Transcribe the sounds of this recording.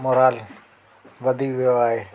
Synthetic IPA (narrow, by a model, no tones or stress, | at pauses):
moɾaːl | ʋəd̪ʱiːʋɪjoaːɦeː